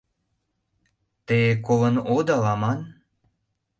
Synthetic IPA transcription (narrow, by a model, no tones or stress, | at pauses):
t̪ekolə̆nod̪ɑlɑmɑn